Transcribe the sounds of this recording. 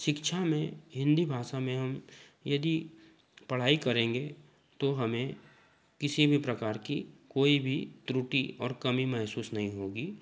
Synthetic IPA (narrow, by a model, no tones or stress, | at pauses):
ʃɪkʃʰamẽɦɪ̃nd̪ʱibʱaːʃamẽɦɐmjɐd̪i | pɐɽ̤aːikɐɾẽːŋɡe | t̪oɦɐmẽ | kɪsibʱipɾɐkaːɾkikoːibʱit̪ɾuʈiɔːɾkɐmimɛɦsuːsnɐɦĩɦoːɡiː